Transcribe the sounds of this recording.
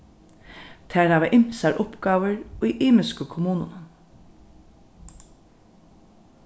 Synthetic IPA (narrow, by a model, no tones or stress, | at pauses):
t̪ʰæːɹɑːʋɛʔɪmsaɹʔʊpɡɑːʋəɹiːʔiːmɪskəkʰʊmuːnən